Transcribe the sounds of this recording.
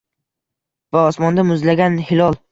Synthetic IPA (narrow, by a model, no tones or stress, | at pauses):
vaɒsmɒnd̪amʊzlaɡʲanhɪlɒlˠ